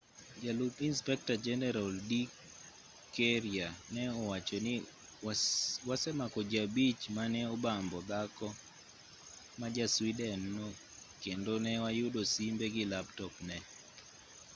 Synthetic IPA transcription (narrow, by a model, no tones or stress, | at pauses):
d͡ʒalupinspɛk̚tad͡ʒɛnɛɾaldi | keɾianɛɔwat͡ʃɔnɪ | wasɛmakɔd͡ʒabit͡ʃmanɛɔbambɔd̪akɔ | mad͡ʒaswidɛnːo | kendonɛwajʊdosimbeɡɪlaptɔpnɛ